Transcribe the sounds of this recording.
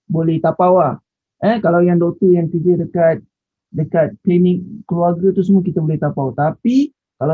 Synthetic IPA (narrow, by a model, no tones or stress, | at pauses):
bolɛht̪apawah | ʔɛkalawjaŋdɔk̚t̪əjaŋkəd͡ʒədəkat̪̚ | dəkat̪̚plenɪ̃k̚kːəluarɡat̪us̬əmuək̬it̪abolɛht̪apawt̪api | kala